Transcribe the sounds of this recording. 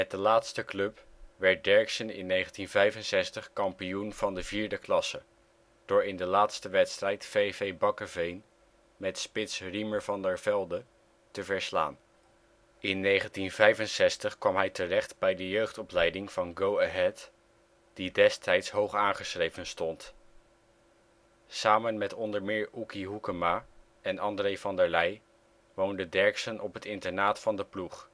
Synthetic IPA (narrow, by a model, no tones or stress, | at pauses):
mɛt̚dəlaːtstəklɵpʋɛɹt̚dɛɹɪksənɪ̰nːejχəntinvɛjvənsɛstəχkɑmpijunv̥ɑndəviːɹdəklɑsə | d̥ʊːɹɪndəlaːtstəʋɛtstrɛjtfevejbɑkəvejn | mɛtspɪtsriməɹvɑndəɹv̥ɛlˠdə | təvɛɹsla̰ːn | ɪnːejχəntinvɛjvənsɛstəχkʋɑmɦɛjtərɛχtbɛjdəjøɥχtɔplɛjdɪŋv̥ɑnɡowaɦɛt | d̥idɛstʰɛjtsɦowχaːnχəsrejvənstɔnt | saːmənmɛtɔndəɹmɪːɹukiɦukəma | ɛnɑndrejvɑndəɹlɛj | ʋowndədɛɹksənʔɔpɦətɪntəɹnaːtfɑndəpluχ